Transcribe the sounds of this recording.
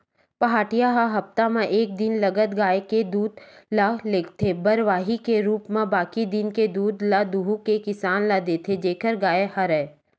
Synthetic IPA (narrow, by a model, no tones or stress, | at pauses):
pɐɦaːʈijaɦaɦɐpt̪amãʔeːk̚d̪ɪnlɐɡət̪ɡaːeked̪uːd̪laleːkʰt̪ʰebəɾʋaːɦikeɾuːpmãbaːkid̪ɪnked̪uːd̪lad̪uɦukekɪsaːnlad̪eːt̪ʰed͡ʒeːkəɾɡaːehɐɾɛ